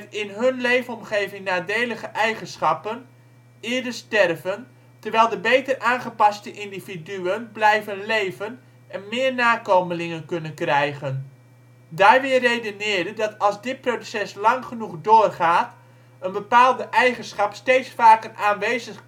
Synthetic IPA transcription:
tɪnɦɵnlejvəɔmχejvɪŋnaːdeːləχəʔɛjχənsχɑpən | ɪːɹdəɹstɛrvən | təɹʋɛjlˠdəbejtəraːnχəpɑstəʔɪndividyənblɛjvənlejvən | ʔɛnmɪːɹnaːkoməlɪŋənkɵnənkrɛjχən | daːɹʋɪːrejdənɪːɹdədɑtɑlˠzdɪt̚prodsɛslɑŋχənuχdʊːrχaːt | ənbəpaːlˠdəʔɛjχənsχɑpstejtsfaːkəraːnʋejzəχ

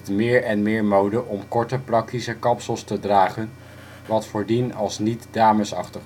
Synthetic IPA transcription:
tmɪːɹɛnmɪːɹmowdəʔɔmkɔɹtəprɑk̚tisəkɑpsəlˠstədraːχən | ʋɑtfʊːɹdinɑlˠsnitdaːməsɑ̰χtəχ

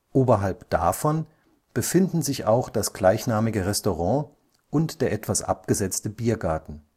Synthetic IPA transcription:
ʔoːbɐɦalpd̥a̰fɔn | b̥əfɪndn̩zɪça̰ʊxd̥asɡ̥laɪçnaːmɪɡəʁɛstoʁɑ̃ː | ʔʊntd̥eːɐʔɛtv̥asʔa̰pɡ̥əzɛt͡stəbiːɐɡaɐtn̩

